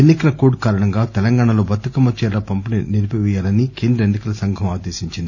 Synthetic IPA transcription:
enːikɐlɐkuːɖkaːɾɐɳɐŋɡaːt̪ɛlɐŋɡaːɳɐlo̞ːbɐt̪ːukɐmːɐt͡ʃːɛːɾɐpɐmpɐniniɾpiʋɛjaːlɐnike̞ːnd̪ɾɐenːikɐlɐsɐŋɡʱɐmaːd̪eːsiɲt͡ʃind̪i

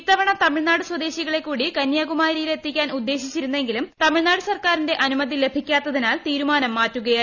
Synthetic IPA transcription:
t̪ːɐʋɐɳɐt̪ɐmiɻnaːɽɨswɐd̪e̞ːɕiɣɐɭe̞kːuːɽikɐnjaːɣumaːɾɾijile̞t̪ːikʲːaːnud̪ːe̞ːɕit͡ɕːiɾunːe̞ŋɡilumt̪ɐmiɻnaːɽɨsɐrkaːɾinde̞ʔɐnumɐd̪ʱile̞bʱikʲːaːt̪ːɐðinaːlt̪iːɾumaːnɐmːaːtːuɣɐjɐ

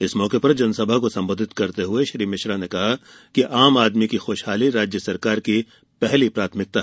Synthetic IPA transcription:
ɪsmɔːkepɐɾd͡ʒɐnsɐbʱakosɐ̃mboːd̪ʱɪt̪kɐɾt̪eɦʊeʃɾiːmɪʃɾanekɐɦa | kiʔaːmaːd̪mikixoːʃɦaːliɾaːd͡ʒjəsɐɾkaːɾki | pɛɦlipɾaːt̪ʰmɪk̚t̪a

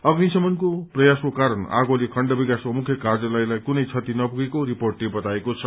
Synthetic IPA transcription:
ʌɡnisʌmʌnkoprʌjaskokaɾʌna̰ɡolekʰʌɳɖʌbikaskomukʰjʌkard͡zʌlajlajkunʌjt͡sʰʌt̪inʌpuɡekoɾiporʈlebʌt̪aekot͡sʰʌ

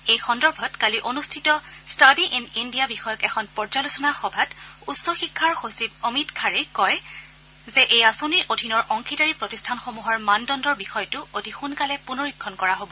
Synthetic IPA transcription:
ejxɔndɔɹbʱɔtkaliʔonustʰitɔ | stadiʔinindijabixɔjɔkɛxʰɔnpɔɹd͡ʒalusɔnaxɔbʱatutsɔxikʰːaɹxosib̚omitkʰaɹɛkɔj | zɛʔejasoniʔodʱinɔɹʔɔŋkʰitaɹipɹotistʰanxomuɦɔɹmandɔndɔɹbixɔjɔtʊodʱixunkalɛpunoɹikʰːɔnkɔɹaɦobɔ

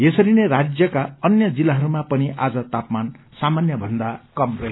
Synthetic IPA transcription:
jesʌɾinerad͡zjʌkaʌnjʌd͡zilːaɦʌɾumapʌniʔad͡zʌt̪apman | samanjʌbʱʌnd̪akʌmrʌɦe

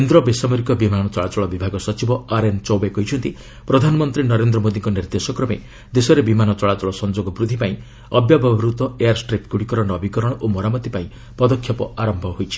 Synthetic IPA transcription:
end̪ɾɔbesamɔɾikɔbimanɔt͡ʃɔɭat͡ʃɔɭɔbibʱaɡɔsɔt͡ʃibɔaɾent͡ʃɔwbekɔjt͡ʃʰɔnt̪i | pɾɔd̪ʱanɔmɔnt̪ɾinɔɾend̪ɾɔmod̪iŋkɔniɾd̪esɔkɾɔme | d̪esɔɾebimanɔt͡ʃɔɭat͡ʃɔɭɔsɔnd͡ʒoɡɔbɾud̪ʱːipaĩ | ɔbjabʱabɾut̪ɔejaɾsʈɾep̚kuɽikɔɾɔɽ̃ːbʱikɔɾɔɽ̃ɔʔomɔɾamɔt̪ipaĩ | pɔd̪ɔkʰːjɔpɔaɾɔmbʱɔɦojt͡ʃʰi̥

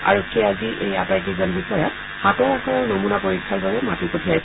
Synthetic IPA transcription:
a̰ɹɔkʰːiɛaziʔḛjapaɹkizɔnbisɔjɔt̚ | hatɔɹaxɔɹɔɹnomunapoɹikʰːalbabɛmatipotʰiaɹis

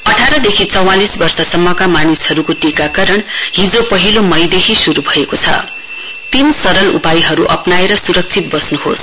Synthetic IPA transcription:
ʌʈʰaɾʌd̪ekʰit͡sʌwalisbʌrsʌsʌmːʌkamanishʌɾukoʈikakaɾʌɳɦid͡zopʌɦilomʌjd̪ekʰisuɾubʱʌekot͡sʰʌ̰ | t̪insʌɾʌlṵpajiɦʌɾuʔʌpnaeɾʌsuɾʌk̚t͡sʰit̪̚bʌsnuɦo̰s

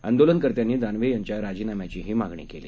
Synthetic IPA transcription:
ənd̪olənkəɾt̪janːiːd̪anʋejaɲt͡ɕjaɾad͡ʑiːnamjat͡ɕiɦiːmaɡɳḭkele

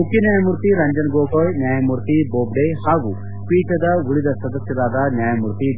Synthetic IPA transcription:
mukinjaːjɐmuɾt̪iɾɐɲd͡ʒɐnɡoːkɐɭnjaːjɐmuɾt̪iboːbɖehaːʋu | piːʈɐd̪ɐʋuɭid̪ɐsɐd̪ɐsjɐd̪aːd̪aːnjaːjɐmuɾt̪i

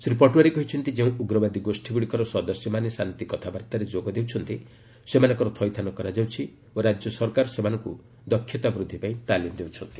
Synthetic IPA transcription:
sɾipɔʈuwaɾekɔɦit͡ʃʰɔnt̪id͡ʒeũuɡɾɔbad̪iɡosʈʰiɡuɽikɔɾɔsɔd̪ɔsjɔmanesanit̪ikɔt̪ʰabaɾt̪aɾed͡ʒoɡɔd̪ewt͡ʃʰɔnt̪i | semanɔ̃ŋkɔɾɔt̪ʰɔjt̪ʰanɔkɔɾad͡ʒawt͡ʃʰi | oɾad͡ʒjɔsɔɾkaɾɔsemanɔŋku | d̪ɔkʰːjɔt̪abɾud̪ʱːipaĩt̪alimɔd̪ewt͡ʃʰɔnt̪i̥

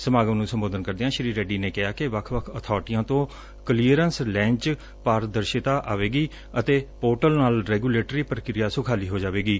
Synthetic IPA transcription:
səmaːɡəʋnũːsəmboːd̪ənkəɾd̪eːãːʃɪɾiːɾɛːɖiːneːkɪaːkɪʋəkʰʋəkʰət̪ʰɔːɾʈɪjãːt̪õː | kəliəɾənslɛ̃ːɲt͡ʃ | paːɾd̪əɾʃɪt̪aːʔaːʋeːɡiː | ət̪eːpoːʈəlnaːlɾɛːɡuːleːʈɾiːpɾəkɾɪjaːsʊkʰaːliːɦoːd͡ʒaːʋeːɡiː

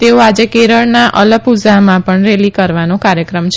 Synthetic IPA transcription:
t̪eoad͡ʒekeɾəɭnaʔələɡpud͡ʒamãpəɳɾelikəɾʋanõkaɾjəkɾəmt͡ʃʰ

